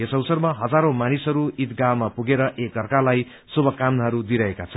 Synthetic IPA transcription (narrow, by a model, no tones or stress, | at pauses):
esʌwsʌrmaɦʌd͡zaɾomanisɦʌɾuit̪ɡawmapuɡeɾʌʔekʌrkalaj | subʱʌkamɦʌɾud̪iɾʌɦekat͡sʰʌn